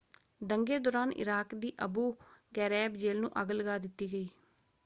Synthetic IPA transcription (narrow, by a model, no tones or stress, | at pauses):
d̪əŋɡeːd̪ɔːɾaːnɪ̰ɾaːkd̪iːʔəbuːɡɛːɾɛːbd͡ʒeːlnṵ̃ːʔəɡləɡaːd̪ɪt̪ːiːɡəiː